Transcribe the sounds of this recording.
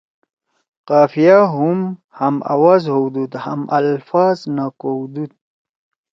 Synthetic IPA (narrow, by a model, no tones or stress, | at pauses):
qaːfijaɦum | hama̰wazhuwd̪ud̪ha̰mʔalfɑznakowd̪ud̪̚